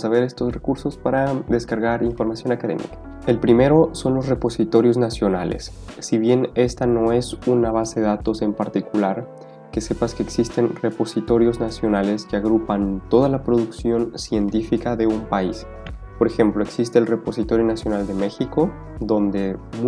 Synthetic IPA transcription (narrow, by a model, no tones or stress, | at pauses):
saβe̞ɾe̞st̪o̞sre̞kuɾso̞spaɾad̪e̞skaɾɣaɾiɱfo̞ɾmasjo̞nakaðe̞̰mḭkḁ | e̞lpɾime̞ɾo̞so̞nlo̞sre̞po̞sit̪o̞ɾjo̞znasjo̞na̰lḛsː | iβje̞ne̞st̪ano̞e̞sunaβ̞aseðeðat̪o̞se̞mpaɾt̪ikulaɾ | ke̞se̞paskeːksist̪e̞nre̞po̞sit̪o̞ɾjo̞znasjo̞nale̞ske̞aɣɾupant̪o̞ð̞alapɾo̞ðuksjo̞nsje̞nt̪ifikaðe̞umpais | po̞ɾe̞xe̞mplo̞e̞ksist̪e̞ːlre̞po̞sit̪o̞ɾjo̞nasjo̞nald̪e̞me̞xiko̞ | d̪o̞nd̪e̞mu